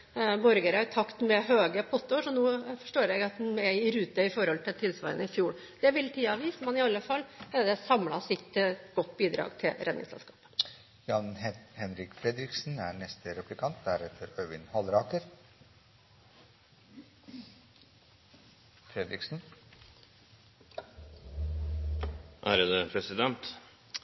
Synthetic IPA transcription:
bɔɾɡəɾæɾt̪ʰɑkt̪mɛɦøːɡəpʰɔt̪ːɔʂɔnuːfɔʂʈoːɾjɛɡɑt̪hʉnɛɪɾʉːt̪əɪfɔɾhɔlt̪ʰɪlt̪ʰɪlsʋɑ̰ːɾənəɪfjuːɽ | d̪̥ɛʋɪlt̪ʰiːɑʋiːsmɛnɪɑlːəfɑlːd̪ɛsɑmlɑsɪt̪ːɡɔt̪ːbiːd̪ɾɑ̰ːɡt̪ʰɪlɾʔɛ̰d̪nɪ̰ŋsɛ̰lskɑ̥ːpə̥ | jɑnhɛnɾɪkfɾɛd̪ɾɪksn̩æɳɛst̪əɾɛplɪkʰɑnt̪̚d̪æɾɛt̪ʰəɾœːʋɪnhɑlɾɑːkəɾ | fɾɛd̪ɾɪksn̩ | ʔæːɾəd̪əpʰɾɛsɪd̪ɛnt̪

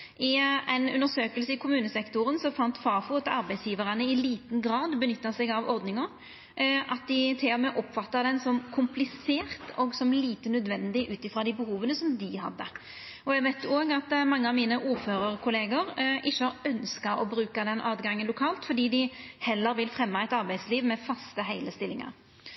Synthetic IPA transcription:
ɪæɪnʉ̰nd̪əsøːkəlsəɪkʰʊmʉːnəsɛkt̪ʊɾənsɔfɑnt̪fɑːfut̪ɑɾbɛɪsjiːʋəɾənəɪliːt̪n̩ɡɾɑːd̪bənʏt̪ːɑsɛɡɑʋɔɾd̪nɪŋəɾ | ʔɑt̪̚d̪ɪt̪ʰɪlhɔmeːʔɔpːfɑt̪ːəd̪ɛnsɔmkʰʊmplɪseːɾt̪ʰɔɡsɔmliːt̪ənœd̪ʋɛnd̪ɪʔʉːt̪ɪfʁɑd̪ɪbəhuːʋənəsɔmd̪ɪhɑ̰d̪ːə | ɔæɡʋæɪt̪ʰjʊoːɡɑt̪mɑŋːəɑʋmiːnəʔuːʁføːɾəʁkʰʊleːɡəɾʔɪçːəɑœnskɑɾɔbɾʉːkɑd̪ɛnʔɑːd̪ɡɑŋːənlʊkʰɑːlt̪fɔɖ̪iːd̪ɪhɛlːəɾʋɪlfʁɛmːɑɛɪt̪ɑɾbæɪsliːʋmɛfɑst̪əɦæɪləst̪ɪlːɪŋɑ̰ɾ

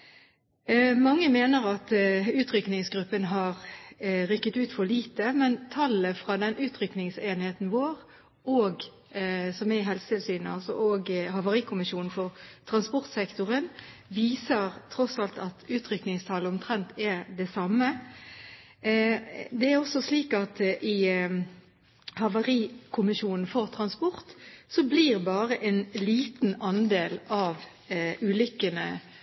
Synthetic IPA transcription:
mɑŋːəmeːnəʁɑt̪ʉːt̪ɾʏknɪŋsɡɾʉpːənɦɑʁʁʏkːət̪ʉːt̪fɔliːt̪əmɛnt̪ʰɑləfʁɑd̪ɛnʔʉːt̪ɾʏknɪŋseːnheːt̪n̩ʋoːʁ | ʔɔɡ | sɔmɛɪɦɛlsət̪ɪlsyːnɑ̰lsɔ̰ʔɔɡhɑʋəʁɪkʰʊmɪʃjuːnnfɔʁt̪ʰɾɑnspɔʁt̪sɛkt̪ʊʁən | ʋiːsəʁt̪ʰʁɔsɑlt̪ɑt̪ʉːt̪ʰɾʏknɪŋst̪ʰɑːləɔmt̪ʰʁɛnt̪ɛd̪ɛsɑmːə | d̪ɛæʁɔsːɔsliːkɑt̪ʔɪ | hɑʋəʁiːkʰʊmɪʃuːnn̩fɔʁt̪ʰʁɑnspɔʁt̪sɔbliːʁbɑːʁəʔɛnliːt̪n̩ɑnd̪eːlɑʋ | ʔʉːlʏkːənə

